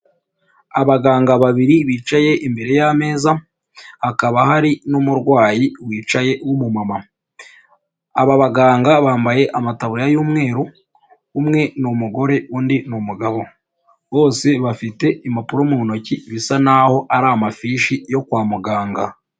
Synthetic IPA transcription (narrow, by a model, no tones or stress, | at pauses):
aβaɡaːŋɡaβaβiɾiβiːt͡ʃaje̞ʔimbe̞ɾe̞jame̞ːza | hakaβahaɾinumuɾɡwaːjiwiːt͡ʃaje̞wumumama | aβaβaɡaːŋɡaβaːmbaje̞ʔamataβujajuːmŋe̞ːɾuː | mŋe̞numuɡo̞ɾe̞uːndinumuɡaβo̞ | βo̞ːse̞βafite̞imapuɾomuno̞ciβisanaho̞ʔaɾaːmafiʃijo̞kwaːmuɡaːŋɡa